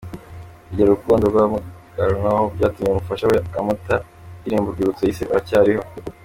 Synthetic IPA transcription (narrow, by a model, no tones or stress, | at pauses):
uɟeɾoukuːndobɡamuɡ̥aɾnahobɟaːtumɲeumufaʃaweamuta | iɾiːmbuɾɡuɾut͡sejisiaβacaːɾiho̞